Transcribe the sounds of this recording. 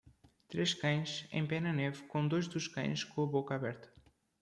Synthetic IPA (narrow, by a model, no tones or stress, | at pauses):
t̪ɾeskãɲ̃sḛ̃mpɛnɐnɛvkõnd̪ojzd̪uʃkã̰j̃skoɐβokɐaβɛɾt̪ɐ̥